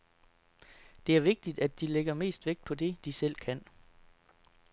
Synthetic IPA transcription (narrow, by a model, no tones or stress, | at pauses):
d̥e̝æɐʋe̝ɡ̥̚d̥id̥æd̥ile̝ɡ̥ɐme̝̰ːsd̥ʋe̝ɡ̥̚d̥̚pʰɒ̽de̝d̥isel̰kʰæn̰